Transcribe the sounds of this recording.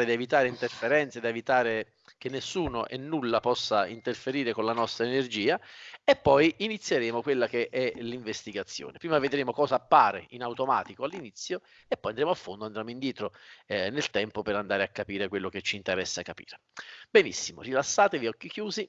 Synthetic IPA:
ɾed̪ievit̪aːɾeint̪erfeɾɛnt̪sed̪ievit̪aːɾe | kenːesːuːno̰ʔenːulːapɔsːaint̪erfeɾiːɾekonlanɔst̪ɾaenerd͡ʒiːaepːɔjinit̪sːjeɾeːmokwelːakeʔɛliɱvest̪iɡat̪sːjo̰ːnepɾiːmaved̪ɾeːmokɔːzaːpːaːɾeinawt̪oma̰ːt̪ikoalːinit̪sːjo | epːɔjand̪ɾeːmoafːond̪oand̪ɾjeːmoind̪jɛːt̪ɾonelt̪ɛmpopeɾand̪aːɾeakːapiːɾekwelːoket͡ʃːiːnt̪eɾɛsːakːapḭːɾebenḭsːimo̰rilasːaːt̪eviɔkːikjuːzi

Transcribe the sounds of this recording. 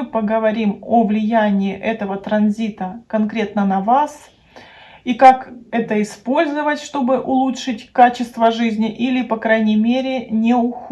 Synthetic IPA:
ɨpəɡəvɐɾʲimovlʲɪjænʲɪɪʔɛt̪əvət̪ɾɐnzʲit̪əkɐnkɾʲe̞t̪nənɐvas | ikakɛt̪əɪspo̞lʲzəvətʲʂt̪o̞bɨʔʊlˠutʂɨtʲkat͡ɕɪst̪vəʐɨzʲnʲɪʔilʲɪpɐkɾajnʲɪmʲeɾʲɪnʲɪʊx

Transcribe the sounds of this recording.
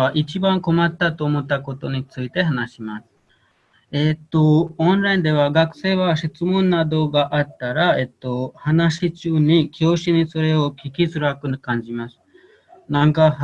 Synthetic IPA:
aʔit͡ɕibãŋko̞mat̪ːat̪o̞ːmo̞t̪ːako̞t̪o̞ɲ̟it͡sɨit̪e̞ɦanaɕimasɨ̥ | et̪ːoõnɾaĩnd̪e̞βaɡakɯ̟̥se̞ːβaɕit͡sɨmõ̞nːad̪o̞ɡaʔat̪ːaɾae̞t̪ːo̞hanaɕit͡ɕɨːɲ̟ikʲjo̞ːɕiɲ̟iso̞ɾe̞okʲikʲisɨɾakɯkãɲ̟d͡ʑimasɨ̥ | nãŋka

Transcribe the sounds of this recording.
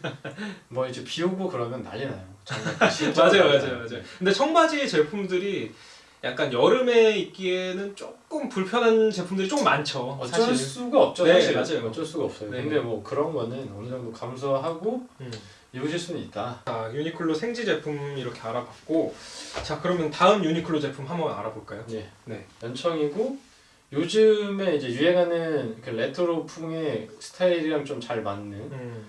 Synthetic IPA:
mʌid͡ʑepiobokɯɾʌmjʌnːa̰ʎinajot͡ɕʰmad͡ʑajomad͡ʑajomad͡ʑajokʰɯnde̞t͡ɕʰʌŋbad͡ʑiet͡ɕe̞pʰumdɯɾi | ja̰k̚k͈anjʌɾɯme̞it̚k͈ienɯnt͡ɕ͈ok͈ɯmpuɭpʰjʌnɦant͡ɕe̞pʰumdɯɾit͡ɕok͈ɯmːant͡ɕʰʌsʰaʌis͈uɡaʌp̚t͡ɕ͈ʌneɕiad͡ʑaoʌt͡ɕ͈ʌɭs͈uɡaʌp̚s͈ʌjoneɯnde̞mʌkɯɾʌnɡʌnɯnʌnɯd͡ʑʌŋdokams̬ʰaɦaɡo | iuɕʰiɭs͈unɯnit̚t͈at͡ɕajuɲikʰɯɭːosʰeŋd͡ʑid͡ʑe̞pʰumiɾʌkʰeaɾabak̚k͈ot͡ɕakɯɾʌmjʌntaɯmjuɲikʰɯɭːod͡ʑe̞pʰumɦamʌɡaa̰ɾaboɭk͈ajoje̞ne̞jʌnt͡ɕʰʌŋiɡo | jod͡ʑɯme̞id͡ʑe̞jue̞ɡanɯnkɯle̞tʰoɾopʰuŋe̞sʰɯ̥tʰaiɾiɾaŋt͡ɕomt͡ɕaɭmanːɯn

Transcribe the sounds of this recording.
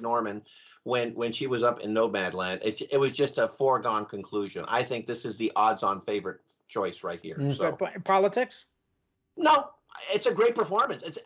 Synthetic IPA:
nɔɹmɨ̃n | wɨ̃nwɨ̃nʃiwʌzʌpɨ̰̃nːoʊbædˡlæ̃ndɪtɪt̚wʌzd͡ʒʌstəfɔɹɡɑ̃nkʰɨ̃n̩kʰl̥uʒɨ̰̃na̰ɪθɪ̃ŋk̚ðɪsɨzðiʔɑdzɑ̃nfeɪvə˞ɨt̚ | t͡ʃʰɔɪsɹaɪt̚hḭɹsoʊpʰɑlˠətʰɪks | noʊ | ɪtsɨɡɹeɪt̚pʰə˞fɔɹmɨ̃nsɨts

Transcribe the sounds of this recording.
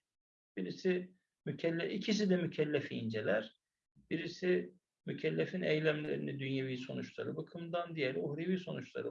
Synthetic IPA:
b̥iɾisi | mycʰɛlʲːɛʔicʰis̬id̪ɛmycʰɛlʲːæfḭːnd͡ʒelʲæɾ̥ | biɾisi | mycʰɛlʲːefinejlʲæmlʲḛɾinid̪ynjeviːso̞nut͡ʃlˠaɾɯbɯkʰɯmd̪and̪ijelʲiuhɾeviːso̞nut͡ʃlˠa̰ɾɯ

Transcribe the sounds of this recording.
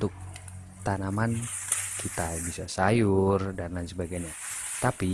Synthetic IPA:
ut̪ʊk̚ | t̪anamankit̪abisasajʊrdandansəbaɡajɲa | t̪api

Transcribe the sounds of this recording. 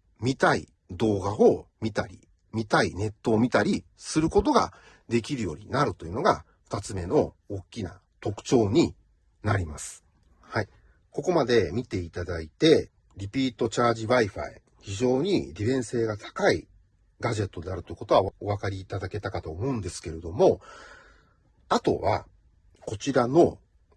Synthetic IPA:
mʲit̪ai | d̪o̞ːɡao̞mʲit̪aɾʲḭ | mʲit̪aine̞t̪ːo̞ːmʲit̪aɾʲi | sɨɾɯ̟ko̞t̪o̞ɡa̰ | d̪e̞k̬ʲiɾɯ̟jo̞̰ɲ̟inaɾɯ̟t̪o̞jɯ̟no̞ɡa | ɸɯ̥t̪at͡sɨme̞no̞ː | kʲːina̰ | t̪o̞kɯ̟̥t͡ɕo̞ːɲ̟i | naɾʲimasɨ̥ | hai | ko̞ko̞mad̪e̞mʲit̪e̞it̪ad̪ait̪e̞ | ɾʲipʲiːt̪o̞t͡ɕaːʑiβaiɸa̰ḛ | çiʑo̞ːɲ̟ḭɾʲibẽ̞ɰ̃se̞ːɡat̪ʰḁkaḭ | ɡaʑe̞t̪ːo̞d̪e̞aɾɯ̟t̪oiɯko̞t̪oao̞βakaɾʲiːt̪ad̪ake̞t̪akat̪o̞ːmo̞ɯ̃nd̪e̞sɨ̥ke̞ɾe̞d̪o̞mo̞ | at̪o̞̰βa̰ | ko̞t͡ɕiɾano̞

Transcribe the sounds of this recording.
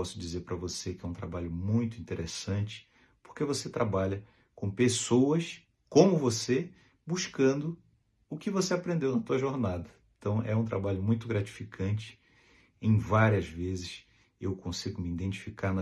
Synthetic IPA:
ɔsʊd͡ʒizeɾpɾɐvosekɪɛũt̪ɾa̰baʎʊmũj̃t̪ʊĩt̪eɾʔesɐ̃t͡ʃɪ̥ | po̥χkevoset̪ɾabaʎɐ | kõpesowɐs | kõmʊvose | buʃkɐ̃nd̪ʊ | ʊkɪvoseapɾẽnd̪ewnɐt̪uɐʒoɾnad̪ɐẽt̪ɐ̃w̃ʔɛũt̪ɾabaʎʊmũj̃t̪ʊɡɾat͡ʃi̥fikʰɐ̃nt͡ʃɪ̥ | ẽj̃vaɾiɐzvezɪʃ | ewkõsiɡʊmiid̪ẽnt͡ʃi̥fikaɾnɐ

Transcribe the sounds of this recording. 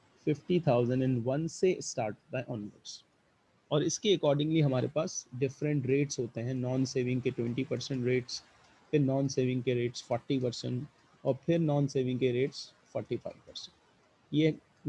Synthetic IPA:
fɪfʈit̪ʰaːʊzə̃ɳɖɛ̃ɳɖʋɐ̃nsesʈaːɾʈbaːɪʔɔ̃ːnʋə̰ɾɖs | ɔːɾɪskiɐkɔːɾɖɪ̃ŋliɦɐmaːɾḛpaːsɖɪfɾə̃ɳʈɾeːʈsɦoːt̪eɦɛ̃nɔːnseːʋɪ̃ŋɡkeʈwɛ̃ɳʈipɐɾsə̃ɳʈɾeːʈs | pʰɪɾnɔ̃ːnseːʋɪ̃ŋɡkeɾeːʈsfɔːɾʈipɐɾsə̰̃ɳʈ | ɔːɾpʰɪɾnɔːnseːʋɪ̃ŋɡkeɾeːʈs | fʰɔːɾʈifʰa̰ɪʋpɐɾsɛ̃ɳʈ | je

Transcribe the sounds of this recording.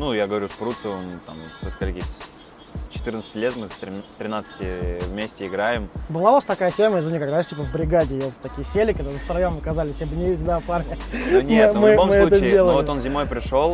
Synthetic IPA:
nujaɡəvɐɾʲuʂpɾut̪sɨont̪a̰msʲɨskɐlʲekʲi | t͡ɕɪ̥t̪ɨrnt̪sə̥ɨtʲlʲe̞t̪mɨst̪ɾʲɪt̪ɾʲɪnat̪sə̥tʲɪvmʲesʲtʲɪɪɡɾajɪmbɨlˠavast̪ɐkajətʲeməjɪzʊnʲɪkakd̪aʂtʲipəvbɾʲɪɡadʲɪɪjot̪ːɐkʲijəsʲelʲɪkɐd̪anəst̪ɾɐjamɐkɐzalʲɪsʲjabənʲɪjes̚ʲɡd̪aparnʲɪnʲmmɨomsɨɛut̪əzʲdʲelˠəlvoɪt̪o̞nzʲɪmo̞jpɾʲɪʂo̞lˠ

